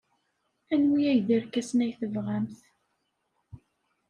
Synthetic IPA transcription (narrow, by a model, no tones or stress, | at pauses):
ænwijæʝðəɾkːæsnæjθəvʁæmθ